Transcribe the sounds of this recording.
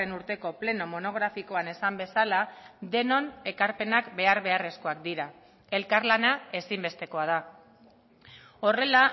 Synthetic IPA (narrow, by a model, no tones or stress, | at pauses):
enuɾt̪e̞ko̞ple̞no̞mo̞no̞ɣ̞ɾafiko̞ane̞sambe̞salad̪e̞no̞ne̞kaɾpe̞nakbe̞aɾβe̞are̞sko̞akd̪iɾa | e̞lkaɾlanae̞simbe̞st̪e̞ko̞að̞a | o̞re̞la